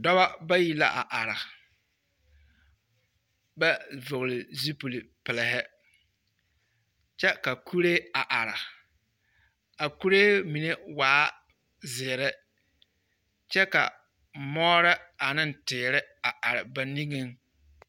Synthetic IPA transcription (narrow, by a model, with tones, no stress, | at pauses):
dɔ˦ba˦ba˦ji˨la̰˨ʔa˨ʔa˨ɾa˨ | ba˦vʊ˨ɣlɪ˨zi˦pu˨li˨pɪ˨lɪ˨ɦɪ˦ | t͡ʃɛ˦ka˨kʰu˦ɾeː˦a˨ʔa˨ɾa˨ | a˨ku˦ɾeː˦mi˨ne˦waː˨˦ | zɪː˨ɾɪ˦ | t͡ʃɛ˦ka̰˨ | mɔː˦ɾɪ˦a˨nɪ˦n˨tɪː˨ɾɪ˦a˨ʔa˨ɾɪ˨ba˨ni˦ŋe˦ŋ